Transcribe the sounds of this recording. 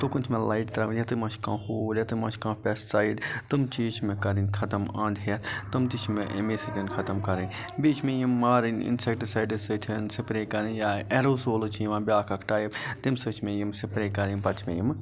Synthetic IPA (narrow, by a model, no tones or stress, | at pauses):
t̪okunt͡ʃʰmẽlajʈt̪ɾɐʋnjɐt̪ɨmɐt͡ʃʰkãːhoːljɐt̪ɨmɐt͡ʃʰkãːpʲessaːjɖt̪ɨmt͡ʃiːt͡ʃʰmẽkɐɾinkʰɐt̪ɐmãːnd̪ʱɐt̪ʰt̪ɨmt̪it͡ʃʰmẽʔḛmesɨt̪inkʰɐt̪ɐmkɐɾinʲ | biːt͡ʃʰmẽjimːaːɾinḭnsek̚ʈsaːjɖɨsɨt̪ʰinsipɾeːkɐɾinjaːeɾoːsoːlt͡ʃʰiiʋãːbjaːkʰɐkʰʈaːjibt̪imsɨt͡ʃʰmẽjimsipɾeːkɐɾinʲpɐt͡ʃʰmḛ̃jim